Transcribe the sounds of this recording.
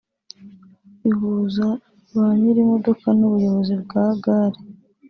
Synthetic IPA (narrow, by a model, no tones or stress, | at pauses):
iɦuza | βaɲiɾimo̞do̞kanuβujo̞βo̞zibɡaɡaɾi